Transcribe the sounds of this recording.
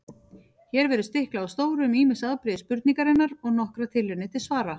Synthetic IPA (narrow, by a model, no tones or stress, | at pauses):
çɛːɾvɛɾʏst̪ɪhklaawst̪oːwɾʏmiːmɪsaðpɾɪːðspʏɾt̪niŋkaɾɪnːaɾɔɣnɔhkɾat̪ʰɪlːɪɾnɪt̪ʰɪlsvaːɾa